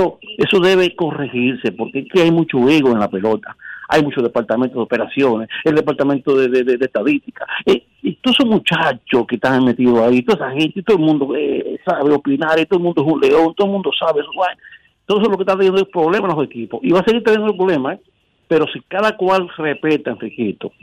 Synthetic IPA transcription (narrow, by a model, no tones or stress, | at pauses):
oe̞soðe̞β̞e̞ko̞rexiɾse̞po̞ɾkeekeajmut͡ʃo̞e̞ɣoenlape̞lo̞t̪aa̰jmut͡ʃoðepaɾt̪amẽnt̪oðeo̞pe̞ɾasjo̞neseld̪e̞paɾt̪amẽnt̪oðeðeðeðeht̪aðist̪ikae | t̪oðesosmut͡ʃat͡ʃoskeht̪aŋmet̪iðoait̪oðesahent̪et̪o̞ðolmũnd̪oesaβeopinaɾit̪oðolmũnd̪oesunleo̞nt̪oðolmũnd̪osaβesowaj | t̪ooseloket̪at̪jend̪oespɾoβlemalosekiposiβaseɣiɾt̪enjenopɾolemae | pe̞ɾo̞sikaðakwalrepe̞t̪anfɾikit̪o